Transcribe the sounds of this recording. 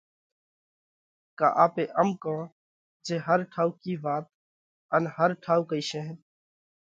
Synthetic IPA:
ka̰ːʔaːpeːʔəmkõː | d͡ʒeːɦəɾʈʰaːuːkiːʋaːt̪̚ | ənhəɾʈʰaːuːkəiːʃẽːɦː

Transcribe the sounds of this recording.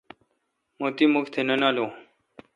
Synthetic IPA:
moːt̪iːmʊkʰt̪ʰenənaːlõː

